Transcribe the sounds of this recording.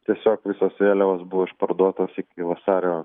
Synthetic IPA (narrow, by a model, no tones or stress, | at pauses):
t̪ʲiɛsʲoːkʋʲɪsoːsʋʲeːlʲɛʋoːsbʊʋoːɪʃpɐɾd̪uɔt̪oːsɪkʲɪʋɐsɑːɾʲoː